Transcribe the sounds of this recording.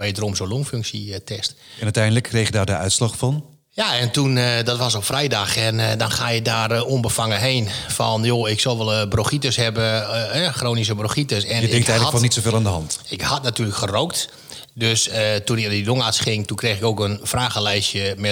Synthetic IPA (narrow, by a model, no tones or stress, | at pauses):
ʋejədəromsoloŋføŋksitʰɛstɛnœtɛjndələkʰːrejxjdaːrdəœ̰ɥtslɔxfɔn | jaɛntundɔtʋɔs̬opfrɛjdaxɛndɔnxaːjədaːronbəfaŋəɦeːnfɔnjoɪksɔlˠʋɛlˠbroxitəsɦɛbəɛxroːnis̬əbroxitəsɛnəɛŋɛɣləɔnitsoveːlˠaːndəɦɑntɪkhɑtnatyːləkχərowkt | døsətunɪkdidoŋasχɪŋtukreːxɪkoːkənfraːɣəlɛjsjəmɛ